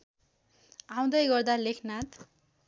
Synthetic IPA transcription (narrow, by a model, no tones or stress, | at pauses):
aw̃d̪ʌjɡʌrd̪alekʰnat̪